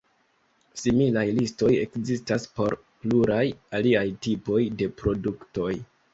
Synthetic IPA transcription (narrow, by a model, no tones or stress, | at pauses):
similajlisto̞je̞̰kzistaspo̞ɾ | pluɾajaliajtipo̞jde̞pɾo̞dukto̞j